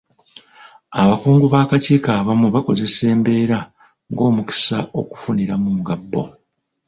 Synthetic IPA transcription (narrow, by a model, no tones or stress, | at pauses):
aβakuːŋɡuβaːkaciːkaːβamuβako̞ze̞se̞ːmbe̞ːɾa | ŋɡo̞ːmuki̥sa̰o̞̰ku̥funiɾamumuɡabːo̞̰